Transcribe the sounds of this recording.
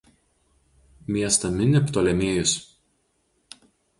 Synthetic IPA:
mʲiɛst̪ɐmʲɪnʲɪpt̪oːlʲɛmʲeːjʊs

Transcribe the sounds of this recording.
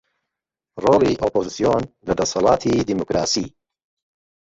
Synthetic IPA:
roːliʔoːpozisijonlɐd̪ɐsɑlˠɑːt̪ʰiːd̪imokɾaːsḭː

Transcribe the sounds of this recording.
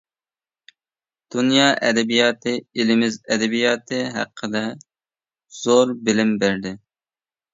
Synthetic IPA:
d̪̥unjɑːʔɛd̪ɛbijɑːt̪ʰɨilɪmɪzɛd̪ɛbijɑːt̪ʰɨɦæ̰qʰːəd̪ɛ | z̥oɾbɪlɪmbæɾd̪ɪ

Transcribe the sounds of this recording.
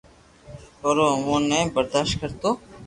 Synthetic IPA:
oːɾoːmoːnebəɾd̪aːʃt̪̚kəɾt̪oː

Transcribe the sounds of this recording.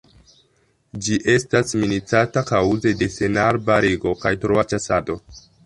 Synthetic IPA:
d͡ʒiʔe̞stasminit͡satakawze̞de̞se̞naɾbaɾeɡo̞kajtɾoat͡ʃasado̞

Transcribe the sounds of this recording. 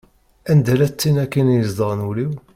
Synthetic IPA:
ænd̪ælæt͡sːinækːinjəzd̪ˤəʁˤnuliw

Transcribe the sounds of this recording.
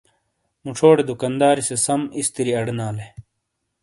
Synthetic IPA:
muʈ͡ʂʰoːɽed̪ukɐnd̪aːɾisesɐmist̪iɾiɐɖnaːle

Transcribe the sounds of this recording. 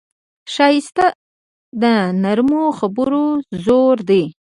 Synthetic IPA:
ʃɑjɪst̪a | d̪ənaɾmoxabʊɾozoɾd̪e

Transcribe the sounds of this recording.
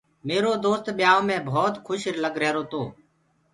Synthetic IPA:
meːɾoːd̪oːst̪ɓjaːõːmẽːbʱoːt̪kʰʊʃɾləɡɾɛːɾoːt̪oː

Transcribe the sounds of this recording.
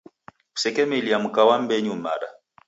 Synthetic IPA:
u̥sɛkɛmeliam̩kawam̩bɛɲuma̰ɗa

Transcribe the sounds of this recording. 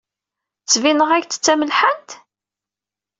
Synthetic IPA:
t͡sːvinəʁæçt͡sːt͡sːæməlħənt̪

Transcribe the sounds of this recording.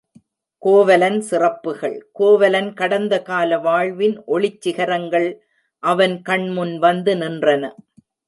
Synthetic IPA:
koːʋɐlɐnsɪrɐpːɯɣɐɭkoːʋɐlɐnkɐɽɐnd̪ɐkaːlɐʋaːɭʋɪnʔɔɭɪt͡ʃːɪɣɐɾɐŋɡɐɭ | ʔɐʋɐnkɐɳmʊnʋɐnd̪ɯnɪndrɐnɐ̰

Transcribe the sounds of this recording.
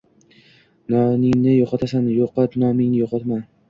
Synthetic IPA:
nɒnɪŋnɪjoqʰɒt̪ʰasanjoqɑt̪nɒmɪŋnɪjoqʰɒt̪man

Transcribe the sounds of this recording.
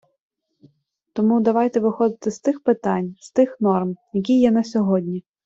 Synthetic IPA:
t̪ɔmud̪ɐʋɑjt̪ɛʋɪxɔd̪ɪt̪ɪst̪ɪxpɪt̪ɑnʲst̪ɪxnɔrmjɐk̬ʲijːɛnɐsʲɔɦɔdʲnʲi

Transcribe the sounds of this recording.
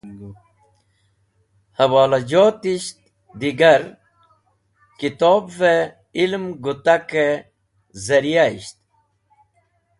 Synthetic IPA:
hɐwaːlɐd͡ʑoːt̪iɕt̪ | d̪iɡɐɾ | kit̪oːbve | ilmɡut̪ake | zɐɾijaiɕt̪̚

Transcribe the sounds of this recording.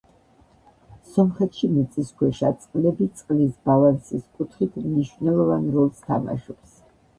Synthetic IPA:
sɔmχɛt̪ʰʃimit̪sʼiskʰwɛʃat̪sʼqʼlɛbit̪sʼqʼlisbalansiskʼut̪ʰχit̪ʰmniʃvnɛlˠɔvanɾɔlˠst̪ʰa̰ma̰ʃɔps

